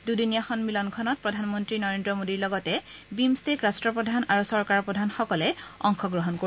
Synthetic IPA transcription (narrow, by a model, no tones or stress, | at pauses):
dudinijaxɔnmilɔnkʰɔnɔt̚pɹɔdʱanmɔntɹinɔɹendɹɔmodiɹlɔɡɔtɛ | bimstekɹastɹɔpɹɔdʱanaɹusɔɹkaɹpɹɔdʱanxɔkɔlɛɔŋxʰɔɡɹɔɦɔnko